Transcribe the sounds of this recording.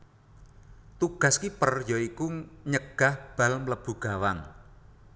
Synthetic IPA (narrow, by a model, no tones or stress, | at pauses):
t̪uɡ̥a̤skipərjoikuɲəɡ̥a̤hb̥a̤lmləb̥ṳɡ̥a̤wan